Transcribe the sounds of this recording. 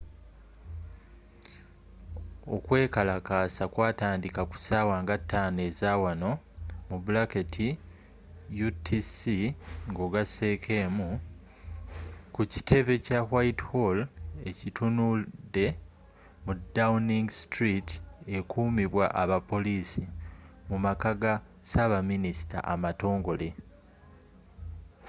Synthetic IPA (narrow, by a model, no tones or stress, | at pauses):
o̞̰kwe̞ːkalakaːsakwaːtaːndikaku̥saːwaːŋɡatːaːne̞ːzaːwano̞ | mubulaketʰi | jutʰisiŋɡo̞ːɡase̞ːkʰe̞ːmu | kuci̥tʰe̞βe̞cawaithole̞citʰunude̞ | mudawuniŋɡistɾite̞kuːmiβwa̰ʔaβapːo̞liːsimumakaɡa | saβaminisi̥ta̰ʔamato̞ːŋɡo̞le̞